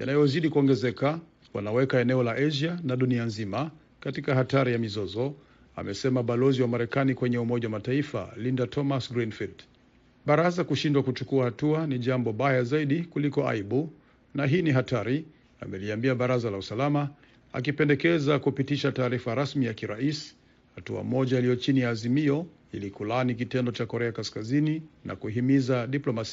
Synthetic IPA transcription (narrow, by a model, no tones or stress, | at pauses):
ja̰najɔziɗikuɔŋɡɛzɛka | wa̰nawɛkaɛnɛɔlaʔaʒanaɗunianzima | katikaɦataɾijamizɔzɔ | a̰mɛsɛmaɓalɔziwamaɾɛkanikwɛɲɛumɔʄawamataifa̰lindatʰɔmasɡɾinfild | ɓaɾazakuʃindwakut͡ʃukuahatuaniʄambɔɓajazaiɗikulikɔa̰iɓu | naɦiniɦataɾi | a̰mɛliambiaɓaɾazalausalama | a̰kipɛndɛkɛzakupitiʃataːɾifaɾasmijakiɾais | hatua̰mɔʄailijɔt͡ʃinijaːzimiɔ | ilikulanik̬itɛndɔt͡ʃakɔɾɛakaskazininʔa̰kuɦimizaɗiplɔmasia